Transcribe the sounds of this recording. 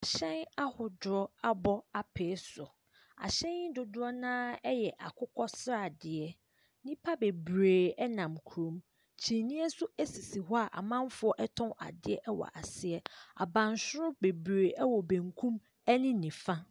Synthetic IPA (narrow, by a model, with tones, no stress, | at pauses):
a˨ɕɛ̃˦na˦hʊ˨dʊ˨ɾɔ˦a˦bɔ˦a˨pʰeː˨˦sʊ˨ | a̰˨ɕɛ̃˦nɪ˦dʊ˨dʊ˦ɔ˦nãː˦ɛ˦jɛ˨ʔa̰˨kʰʊ˦kʰɔ˦sɾa˨dɪ˨ɛ˦ | nĩ˦pʰa˦be˨bɾeː˨ɛ˦nã˨mkʰu˨ɾõ˨˦m | t͡ɕʰi˨nĩ˦ɛ˦sʊ˦æ˦si˨si˨ɦɔ˦a˨ʔa̰˨mã˦mfʊ˦ɔ˦ʔɛ˦tʰɔ̃˦a̰˨dɪ˦ɛ˦ʔɛ˦wɔ̰˨ʔa˨sɪ˦ɛ˦a̰˨bã˨nsʊ˦ɾʊ˦be˨bɾeː˨ʔɛ˦wɔ˨bæ̃˨ŋkʰũ˦m | ɛ˦nɪ̃˦nĩ˨fã˦